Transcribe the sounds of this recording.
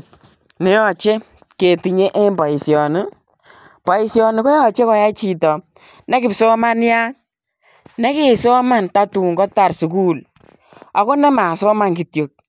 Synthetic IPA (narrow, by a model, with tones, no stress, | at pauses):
nɪ˨˦ɔ˨t͡ʃe˦ | ke˨ti˨ɲe˦ʔe˦mba˨i˨sjɔ˨nu˦ | pɔ˨i˨sjɔ˧nu˨ko˦jɔ˦˨t͡ʃe˦kɔ˨˦ja˦t͡ʃi˨tɔ˨ | nɛ˦kɪ˨psɔ˦ma˦nja˦ | nɛ˦ke˨sɔ˦ma˦nta˦tu˨ŋɡɔ˦ta˨rsu˨ku˦l | a˨ko˦nɛ˦ma˨sɔ˦ma˦˨ŋki˨tjo˨k̚